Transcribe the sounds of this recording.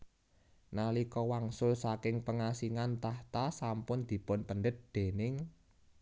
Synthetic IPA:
nalikɔwaŋsʊlsakɪŋpəŋasiŋant̪aht̪asampʊnd̪̥i̤pʊnpənɖət̪̚d̪̥e̤nɪŋ

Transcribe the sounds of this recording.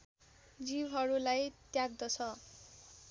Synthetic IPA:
d͡zibɦʌɾulajt̪jaɡ̚d̪ʌt͡sʰʌ

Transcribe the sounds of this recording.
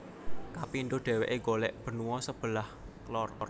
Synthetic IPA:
kapiːnd̪ʊɖ̪̥ɛ̤weʔeɡolɛʔb̥ə̤nuwɔsəb̥ə̤lah | klɔrr

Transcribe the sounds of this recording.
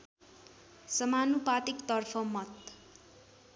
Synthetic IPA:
sʌmanupat̪ikt̪ʌrpʰʌmʌt̪

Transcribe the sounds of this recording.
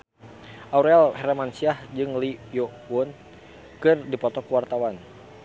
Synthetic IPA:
ʔauɾalhɛɾamansiahd͡ʒɨŋlijowʊn | kɨrdipɔt̪ɔkəwart̪awan

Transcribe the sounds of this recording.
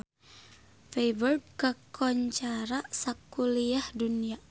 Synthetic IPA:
febərd̚kəkʰɔɲt͡ʃaɾaʔsakuliahdunia

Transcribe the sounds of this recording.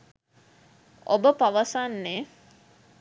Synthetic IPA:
o̰bəpaʋəsanːe

